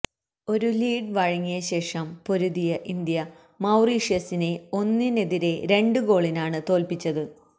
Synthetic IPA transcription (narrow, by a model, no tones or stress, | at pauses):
o̞ɾuliːɖʋɐɻɐŋːijɐɕe̞ːʂɐmpo̞ɾuðijɐʔind̪jɐ | mɐwriːʂjɐsine̞o̞nːine̞ðiɾe̞ɾe̞ɳɖɨɡo̞ːɭinaːɳɨt̪o̞ːlpit͡ɕːɐðɨ